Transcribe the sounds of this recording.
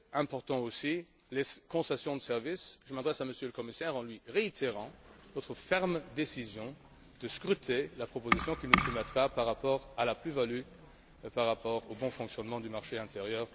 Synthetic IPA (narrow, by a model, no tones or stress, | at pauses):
ɛ̃pɔʁt̪ɑ̃osi | lekɔ̃sasjɔ̃d̪əsɛʁvisʒəmad̪ʁɛsaməsjøləkɔmisɛʁɑ̃lɥiʁeit̪ʰeʁɑ̃nɔt̪χəfɛʁmd̪esizjɔ̃ | d̪̥əskχyt̪ʰelapχɔpozisjɔ̃kʲinusumɛt̪ʁapaʁːapɔʁalaplyvaly | paʁːapɔʁobɔ̃fɔ̃ksjɔnmɑ̃d̪ymaʁʃeɛ̃t̪ʰeʁjœːʁ